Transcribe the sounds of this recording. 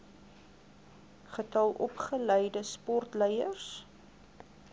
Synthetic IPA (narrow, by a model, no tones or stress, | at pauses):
χətɐlˠʔɔpχələjdəspɔrtləjərs